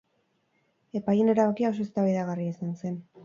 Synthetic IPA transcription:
e̞paje̞ne̞ɾaβakiao̞so̞e̞st̪aβaijðaɣariaisanse̞n

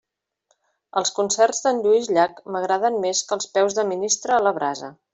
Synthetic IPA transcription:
əlˠskunsɛrzd̪ənʎuizʎakməɣɾaðənmeskəlˠspɛwzðəminist̪ɾəːləβɾazə̰

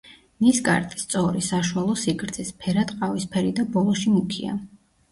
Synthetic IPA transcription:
nisɡʼa̰ɾt̪ʼi̥st̪sʼɔɾisaʃualˠɔsiɡɾd̪sʰispʰɛɾat̪ʼqʼavispʰɛɾid̪abɔlˠɔʃimukʰia̰

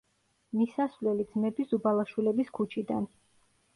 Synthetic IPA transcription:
misasvlɛlid̪zmɛbizubalˠaʃwilɛbiskʰut͡ʃʰid̪an

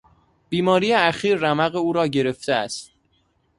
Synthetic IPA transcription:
b̥iːmɒːɾijeæxiːɾːæmæɣeuːɾɒːɟe̞ɾe̞ft̪eæst̪̚

